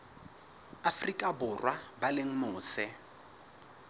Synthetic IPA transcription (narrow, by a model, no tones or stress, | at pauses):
afrikʼabʊrwʔabaleŋ̩mʊːsɛ